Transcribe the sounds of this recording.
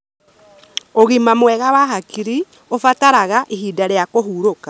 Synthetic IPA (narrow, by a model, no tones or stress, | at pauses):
oɣimamwɛɣawaɦakiɾi | ofataɾaɣaʔiɦiːdaɾejakoɦuːɾoka